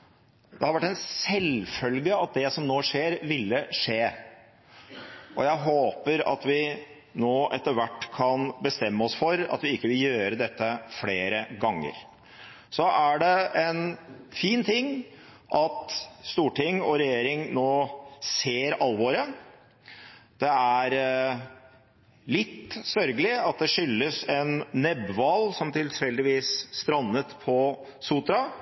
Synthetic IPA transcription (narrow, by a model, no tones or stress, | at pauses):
d̪ɛhɑɾʋæʈːɛnsɛlfœlɡəɑt̪̚d̪ɛsɔmnoːʂeːɾʋɪlːəʂeː | ʔɔjæɪɦoːpəɾɑ̰t̪ʋɪ | noːʔɛt̪ːəɾʋæʈːkʰɑnbəst̪ɛmːəɔsfɔɾɑ̰t̪ʋɪɪkːəʋɪljøːɾəd̪ɛt̪ːəfleːɾəɡɑŋːə̰ɾ | sɔʔæɖɛɛnfiːnt̪ʰɪŋː | ʔɑt̪st̪uːʈʰɪŋːɔɾɛjeːɾɪŋnoːseːɾɑlʋoːɾə | d̪̥ɛæɾ | lɪt̪ːsœɾɡəlɪɑt̪̚d̪ɛʂʏlːəsɛnːɛbʋɑlsɔmt̪ʰɪlfɛld̪ɪʋiːsst̪ɾɑnːət̪pʰɔ | sut̪ɾɑ